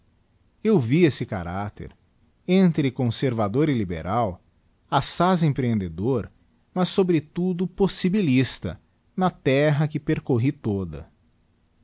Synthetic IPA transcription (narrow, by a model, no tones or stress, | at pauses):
ewviesɪka̰ɾat̪ḛɾ | ẽnt̪ɾɪkõseɾvad̪oɾɪlibḛɾaw | asazẽpɾeẽnd̪ed̪oɾ | mɐsːobɾɪt̪ud̪ʊposibilist̪ɐ̰ | nɐt̪ɛɦɐkɪpeɾkoɦit̪od̪ɐ̰